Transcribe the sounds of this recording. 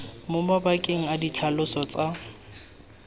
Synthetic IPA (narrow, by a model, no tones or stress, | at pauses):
mʊmabakʼeŋ̩adit͡ɬʰalʊsɔt͡sʼa